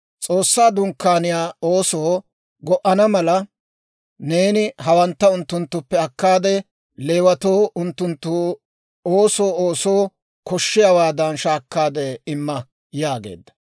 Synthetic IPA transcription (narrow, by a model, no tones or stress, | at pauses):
t͡sʼo̞ːsːaːd̪ʊŋkːaːnɪjaːoːsoː | ɡɔʔɐnɐmɐlɐ | ne̞ːnɪɦɐwɐnt̪ːɐʊnt̪ːʊnt̪ːʊpːɛɐkːaːd̪ɛ | le̞ːwɐt̪oːʊnt̪ːʊnt̪ːʊ | oːso̞ːoːsoː | kɔʃːɪjawaːd̪ɐnʃaːkːaːd̪ɛɪmːɐ | jaːɡḛːd̪ːɐ̥